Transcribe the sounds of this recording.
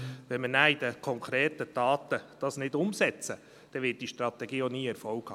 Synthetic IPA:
ʋɛnmənæid̥əkʰɔŋkʰɾeːtətɑːt̪əd̥ɑːsnɪdʊmsɛt͡sə | d̪̥ɛʋɪt̚d̥iʃtɾɑt̪ɛɡiːoniːɛɾfɔlkhɑ̰ː

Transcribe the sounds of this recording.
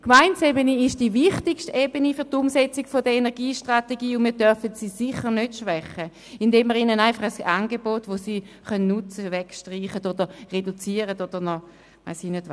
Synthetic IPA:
kmaɪnt͡sebəniɪʃd̥iːvɪχtɪkʃtebənifyɐtʊmsɛt͡sɪɡfodəenɛʁɡiːʃtʁateɡiːʊnmiːɐdœɾfətsiːsɪχəʁnøtʃvɛχə | ɪndeːmːəʁinənaɪnfɑχəsanɡebotʋosiχœnnut͡səvɛkʃtʁiːχətodəʁedut͡siːəʁətod̥əʁnɔ | ʋaɪsinøt

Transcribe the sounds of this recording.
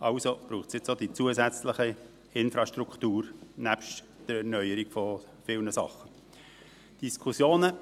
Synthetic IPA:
ʔɑʊsob̥ɾuːχtt͡ssjɪt͡sod̥̪it͡suəzæt͡sləχə | ɪnfɾɑʃtɾuktuːɾnæpʃt | d̥əɾɛɾnœʏəɾiɡfɔ | fɪlnəsɑ̰χːə | d̥iskʰusjoːnə

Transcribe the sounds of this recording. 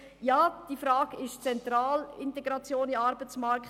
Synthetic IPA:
jaːd̥ifɾaːɡɪʃt͡sɛnt̪ɾaːlɪntɛɡɾɑt͡sjoːniɑɾbət͡smɑɾkχ

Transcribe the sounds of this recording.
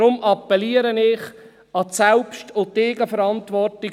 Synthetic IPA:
ɾʊmʔɑpːɛliəɾənɪχ | ɑsɛlpʃtʊteːɡəfəɾɑntʋɔrtɪ

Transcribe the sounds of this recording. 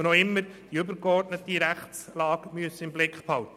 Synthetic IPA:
nɔɪmːəɾd̥iʏbəɾkɔrdnət̪iɾæχt͡slɑːɡmyəsːəɪmblɪkχphɑlt̪ə

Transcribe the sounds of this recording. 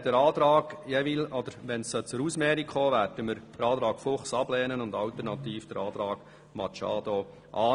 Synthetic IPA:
d̥ɛɾɑːt̪ɾɑːɡ̥jɛʋɪlɔd̪̥əɾʋɛnsət͡sʊɾuːsmɛːɾikχoːʋæɾdəməɾd̥əɾɑːd̪ɾɑːɡ̥fʊχsɑblɛːnənʊnd̪ɑlt̪əɾnɑt̪iːfd̥əɾɑːt̪ɾɑːɡ̥ | mɑt͡ʃɑ̰ːd̥̪o | ʔɑː

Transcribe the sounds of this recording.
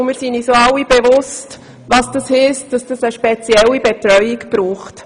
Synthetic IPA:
mɪːɾsinisoɑlːib̥ɛvʊst | ʋɑsd̥ɑshɪsd̥ɑsd̥əsəʃpet͡sjɛlːibɛtɾœʏikb̥ɾuːχt

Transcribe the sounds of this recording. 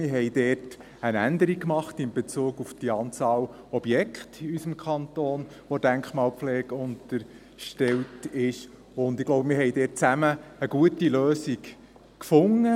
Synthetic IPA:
mɪɦɛjd̥ɛːt | ənænd̪əɾikːmɑχtɪmbet͡suːɡufd̥iɑːnt͡sɑːl | ɔb̥jɛkχtysəmkʰχɑnt̪oːn | ʋod̥æŋkχmɑːlpflɛːɡ̥ʊntəɾ | ʃtɛltɪʃ | ʊnd̪ɪɡ̥loʊwbəmɪɾɦɛjdɛːt̚t͡sæməːɡ̥uətiløːsik | kfʊŋːə

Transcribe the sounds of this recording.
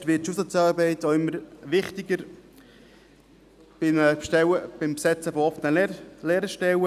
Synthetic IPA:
tʋɪt̚ʃusət͡sɑːɾbɛɪtoɪmːəɾʋɪχt̪ɪɡəɾ | b̥ɪmʃtɛwəb̥ɪmpsɛt͡sːəfɔɔfənəlleːɾəʃtɛwə

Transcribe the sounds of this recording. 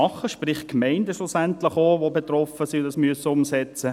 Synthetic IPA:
ɑχəʃprɪχkmɛɪndəʃlusænt̪lɪχoʋobet̪rɔfəsiʊdɑsmyəsəʊmsɛt͡sə

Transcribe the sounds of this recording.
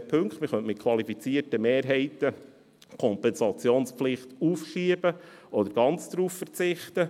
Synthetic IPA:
pʰɵŋktmɪχœntmɪt̚kʰwɑlifit͡siːəɾtəmeːɾɦɛɪt̪ə | kʰɔmpɛnsɑt͡sjoːnspflɪχt̪uːfʃiəbəɔd̪əɾɡ̥ɑnt͡sd̪ɾuːffərt͡sɪχt̪ə

